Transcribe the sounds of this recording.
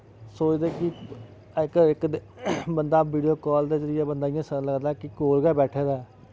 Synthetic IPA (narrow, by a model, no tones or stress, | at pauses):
soːt͡ʃd̪eːki | ɪkɪkd̪ | bənd̪aːʋiːɖijoːkɔːld̪eːzəɾɪjaːbənd̪aːɪjãːsələɡd̪aːkikoːɾɡɛːbɛːʈʰeːd̪aː